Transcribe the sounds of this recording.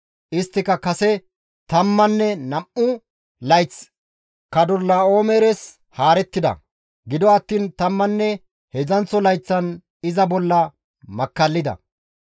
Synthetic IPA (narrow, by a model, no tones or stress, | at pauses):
ʔɪst̪ːɪkɐkɐsɛ | t̪ɐmːɐnːɛnɐmʔʊ | lɐjt͡s | kɐd̪ɔlːaːo̞ːmɛːɾɛs | haːɾɛt̪ːɪd̪ɐ̰ | ɡɪd̪ɔɐt̪ːiːnt̪ɐmːɐnːɛ | hɛzɐnt͡sːɔlɐjt͡sːɐn | ɪzɐbɔlːɐ | mɐkːɐlːɪd̪ɐ̰